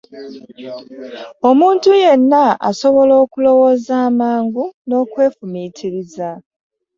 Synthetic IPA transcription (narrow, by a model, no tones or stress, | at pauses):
o̞muːntuje̞nːaa̰so̞βo̞lo̞ːkulo̞wo̞ːzaːmaːŋɡuno̞ːkwe̞ːfumiːtʰiɾiza